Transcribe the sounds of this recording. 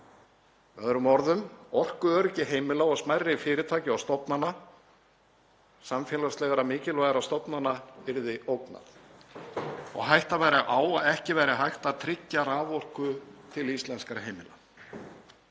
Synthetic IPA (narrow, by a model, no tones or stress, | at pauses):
vɛðɾʏmɔɾðʏmɔr̥kʏœɾɛhcɪɦeːjmɪlaɔsmajrːɪfɪːɾɪt̪ʰaːjcɪawst̪ɔpnanːa | samfjɛːlast̪lɛɣaɾamɪːcɪlvajɣaɾast̪ɔpnanːavɪɾðɪʔoːwkna̰θ | ɔ̰ɣɦajht̪avajɾaʔaːwaðɛhcɪvɛːjɾɪɦajht̪aðt̪ʰɾɪcːaɾaːvɔr̥kʏt̪ʰɪlist̪lɛnskaɾaɦejmɪla̰